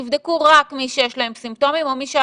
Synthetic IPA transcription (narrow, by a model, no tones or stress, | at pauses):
ivd̪ekuʁakmiʃejeʃlae̞msimto̞mimo̞miʃe